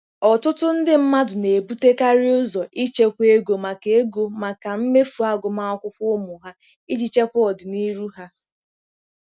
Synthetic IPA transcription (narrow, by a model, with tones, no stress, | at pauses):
ɔ˨tʊ˦tʊ˦n̩˦dɪ˦m̩˦ma˦dʊ˨ne˨e˨bu˦te˦ka˦ɾɪ˦ʊ˦zɔ˨ʔi˦t͡ʃe˦kʷe˦ɡo˨ma˨ke˨˦e˦ɡo˨ma˨ka˨m̩˦me˦fu˨a˦ɡʊ˨ma˦ɔ˦kʷʊ˦kʷʊ˦mʊ˨ɦa˦ | i˦d͡ʒi˦t͡ʃe˦kʷɔ˨dʊ˨ni˦ɾu˦ɦa˦